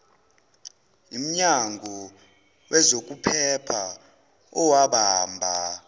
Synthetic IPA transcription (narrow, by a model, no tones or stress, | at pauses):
im̩ɲaŋʱɔ | wɛzok̬ʼupʰɛpʰa | ɔwaɓaːmbʱa